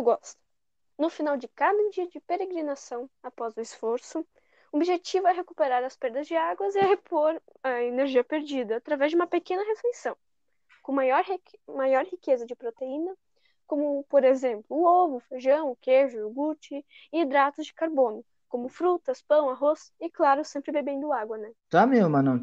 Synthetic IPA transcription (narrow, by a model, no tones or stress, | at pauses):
ewɡɔst̪ɐ̥ | nʊfinawd͡ʒɪkad̪ɐẽd͡ʒiɐd͡ʒɪpeɾeɡɾinasɐ̃w̃apɔzʊɪsfoɾsʊ | obiʒet͡ʃivʊɛɦekupeɾaɾɐspeɾd̪ɐzd͡ʒɪaɡwɐzɪaɦepoɾ | ɐeneɾʒiɐpeɾd͡ʒid̪ɐːt̪ɾavɛzd͡ʒɪũmɐpekẽnɐɦefesɐ̃w̃ | kõmajɔɾmajɔɾhikezɐd͡ʒɪpɾot̪einɐ | kõmʊpoɾezẽmplʊːovʊfeʒɐ̃w̃ʊkeʒʊʊɡut͡ʃɪː | d̪ɾat̪ʊzd͡ʒɪkaɾbõnʊ | kõmʊfɾut̪ɐspɐ̃w̃aɦosɪklaɾʊsẽmpɾɪbebẽnd̪ʊaɡwɐnɛt̪amemɐnɐ̃